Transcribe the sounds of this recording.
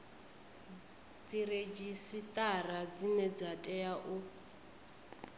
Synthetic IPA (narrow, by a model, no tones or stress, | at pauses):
d͡zired͡ʒisitʼarad͡zinɛd͡zatʼɛjaʔu